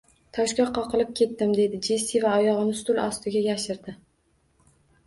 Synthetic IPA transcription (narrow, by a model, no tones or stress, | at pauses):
t̪ʰɒʃkʲaqʰɒqʰɨlˠɪp̚kʲʰe̞t̪ːɪmd̪e̞d̪ɪd͡ʒisivaɒjɒʁɨnɪst̪ʊlˠɒ̰st̪ɪɡʲaɡʲaʃɪɾd̪ɪ